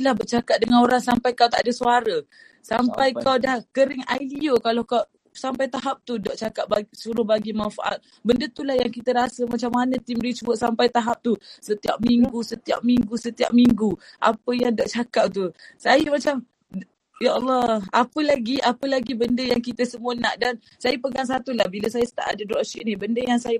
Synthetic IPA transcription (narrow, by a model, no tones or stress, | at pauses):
lahbərt͡ʃakat̪̚dəŋanoɾaŋsampajkawt̪aʔdəsuaɾə | sampajkawdahkəɾɪŋa̰jliokalakaw | sampajt̪aɦap̚t̪udɔʔt͡ʃakaʔ̚basuɾʊhbaɡimanfa̰ʔa̰t̪̚ | bəndət̪ulahjaŋkit̪əɾasəmat͡ʃamːanət̪imdit͡ʃuwəʔsampajt̪aɦap̚t̪usət̪ia̰p̚miŋɡusət̪ia̰p̚miŋɡusət̪ia̰p̚miŋɡuʔa̰pəjaŋdɔʔt͡ʃakap̚t̪usajəmat͡ʃam | jaʔlːɔapəlaɡiapəlaɡibəndəjaŋkit̪əsəmuənaʔdan | sajəpəɡans̬at̪ulahbiləsajəsə̥t̪a̰ʔa̰dədɾɔʔʃiʔnibəndəjaŋsajə